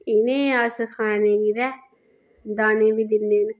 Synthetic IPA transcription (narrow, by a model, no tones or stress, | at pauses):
ɪnẽːaːskʰaːnẽːɡiːɾɛː | d̪aːnẽːʋiːd̪ɪnːeːn